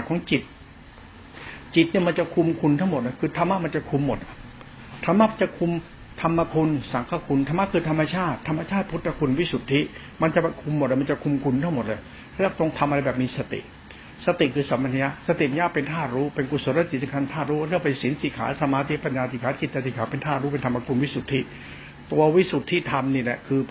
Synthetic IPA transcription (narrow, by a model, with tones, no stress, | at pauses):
kʰɔː˨˦ŋt͡ɕi˨˩t̪̚ | t͡ɕi˨˩t̪̚ni˥˩˨ma˧nt͡ɕa˨kʰu˧mkʰu˧nt̪ʰa˥˩ŋmo˨˩t̪̚lkʰɯː˧t̪ʰa˧mːa˦˥ma˧nt͡ɕa˨˩kʰu˧mːo˨˩t̪̚a˦ | t̪ʰa˧˥mːa˦˥pt͡ɕa˨kʰu˧m | t̪ʰa˧mːa˧kʰu˧nsa˨˩kʰaː˥˩kʰu˧nt̪ʰa˧ma˦˥kʰɯː˧t̪ʰa˧mːa˧t͡ɕʰaː˥˩t̪ʰːa˧mːa˧t͡ɕʰaː˥˩t̪̚pʰu˦˥t̪ʰːa˧˩kʰu˧nwi˦˥˩su˨˩t̪ʰːi˦˥ | ma˧nt͡ɕa˨pkʰu˧mː˨˩t̪̚la˧˩m˧nt͡ɕa˨˩kʰu˧mkʰu˧nt̪ʰa˥˩ŋmo˨˩t̪̚laː˧˩j | lɛː˦˥˩t̪o˧ŋt̪ʰa˧mʔa˧ɾa˧jbɛː˨˩p̚miː˧sa˧t̪ḭ˨˩ʔ | sa˧t̪i˨˩kʰɯː˧sa˨˩˦mːa˧t̪ʰja˥sa˧t̪i˨˩˧jaː˥˩pe˧nt̪ʰaː˥˩t̪ɾuː˦˥pe˧nku˨˧˩so˧˦nla˧˥t̪i˨˩sŋkʰa˧nt̪ʰaː˥˩ɾuː˦˥wa˥˩t̪ʰɯ˥˩pa˧jsi˩˦nsi˨˩˦kʰa̰ː˩˦sa˧maː˧t̪ʰi˦˥pa˧njaː˧i˨˩kʰaː˨˦˥t͡ɕi˨˩t̪̚t͡ɕa˧t̪ʰiː˨˩kʰaː˩˦˥pe˧nt̪ʰaː˥˩ɾu˦˥pe˧nt̪ʰa˧mːa˧kʰu˧nwi˦˥su˨˩t̪ʰːiː˧˥˩ | t̪u˧ɐwi˦˥su˨˩t̪ʰːiː˥˩t̪ʰa˧mniː˧˩lɛ̰˨˩kʰɯː˧